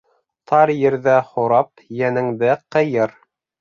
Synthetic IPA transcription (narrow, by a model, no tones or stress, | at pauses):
t̪ʰɑɾjɘ̆ɾðæhoɾɑp̚ | jænɘ̆ŋd̪ɘqɤ̆jɤɾ